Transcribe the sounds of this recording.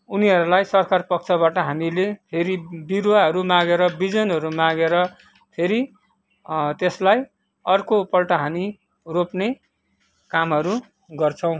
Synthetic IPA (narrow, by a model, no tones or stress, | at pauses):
uniʌɾulajsʌrkarpʌk̚t͡sʰʌbaʈʌɦamilepʰeɾibiɾwaɦʌɾumãɡeɾʌbid͡zʌnɦʌɾumãɡeɾʌ | pʰeɾi | t̪eslaj | ʌrkopʌlʈʌɦami | ropne | kamɦʌɾu | ɡʌrt͡sʰʌw̃